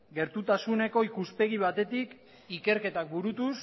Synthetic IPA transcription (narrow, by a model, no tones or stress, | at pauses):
ɡe̞ɾt̪ut̪asune̞ko̞ikuspe̞ɣ̞iβ̞at̪e̞t̪ik | ike̞ɾke̞t̪ak̚buɾut̪us